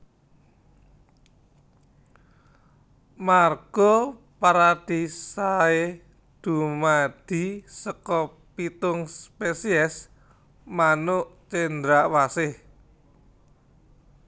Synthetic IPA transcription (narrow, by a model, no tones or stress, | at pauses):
marɡ̥ɔ | paɾad̪̥i̤sae | d̪̥umad̪̥i̤səkɔ | pit̪ʊŋspesiɛs | manʊʔt͡ʃend̪ɾawasɪh